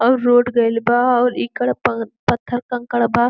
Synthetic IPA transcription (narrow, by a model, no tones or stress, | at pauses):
ɔːɾːoːɖɡɐjlbaɔːɾikɐɽppɐt̪ʰːəɾkɐŋkɐɽbaː